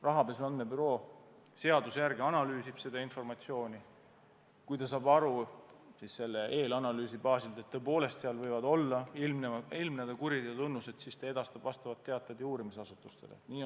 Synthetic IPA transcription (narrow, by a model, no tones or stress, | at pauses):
rɑɦɑpesɑnd̪mebyɾo̞ː | se̞ɑd̪usjærɡeɑnɑlyːsib̥se̞d̪̥ɑinfo̞rmɑt̪sio̞ːnʲi | kujt̪ɑs̬ɑːbɑɾusisse̞lːe̞ʔe̞ːlɑnɑlyːsibɑːsilt̪et̪ːoɤepo̞ːle̞st̪seɑlvɤjvɑd̪o̞lːɑilmneilmned̪̥ɑkuɾid̪ejɑt̪unːuse̞d̪̥sist̪ɑe̞d̪̥ɑst̪ɑb̥vɑst̪ɑvɑt̪ːe̞ɑt̪ːˑed̪juːɾimis̬ɑsut̪ːˑust̪e̞lḛniː